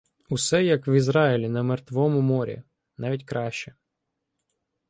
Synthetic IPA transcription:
ʊsɛjɐkʋizɾɑɪlʲinɐmert̪ʋɔmʊmɔɾʲḭ | nɑʋʲitʲkɾɑʃt͡ʃɛ

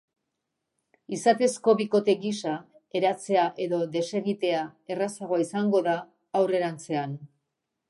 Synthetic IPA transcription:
isat̪e̞sko̞βiko̞t̪e̞ɣisa | e̞ɾat͡se̞aʔe̞ðo̞ðe̞se̞ɣit̪e̞ae̞rasaɣo̞aisaŋɡo̞ðaː | wre̞ɾant͡se̞an

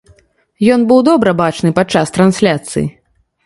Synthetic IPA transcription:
jɔnbɨwd̪ɔbɾɐbat͡ʂnɨpat͡ʂast̪ɾansʲlʲat̪sɨ̰jḭ

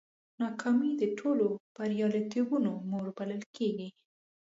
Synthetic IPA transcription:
nɑkʰɑmid̪əʈʰolopəɾijɑlet̪ibunomoɾbaləlkʰeɡi

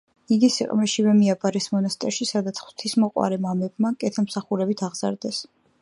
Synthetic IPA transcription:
iɡisiqʼmɾɛʃivɛmiapʼaɾɛsmɔnast̪ʼɛɾʃisad̪at̪sʰχwt̪ʰismɔqʼwa̰ɾɛmamɛb̚makʼɛt̪ʰɛmsaχuɾɛbit̪ʰaʁz̥a̰ɾd̪ɛs

